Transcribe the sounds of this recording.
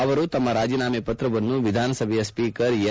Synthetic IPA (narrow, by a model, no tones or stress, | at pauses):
ɐʋɐɾut̪ɐmːɐɾaːd͡ʒiːnaːmɛpɐt̪ɾɐʋɐnːuʋid̪ʱaːnɐsɐbʱɛjɐspiːkɐɾj